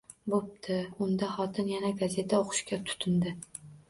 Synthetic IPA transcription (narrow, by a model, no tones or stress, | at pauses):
bop̚t̪ʰɪʊnd̪ahɒt̪ʰɪnjanaɡaze̞t̪ʰaoqʰʊ̥ʃkʲat̪ʰʊ̥t̪ʰɪnd̪ɪ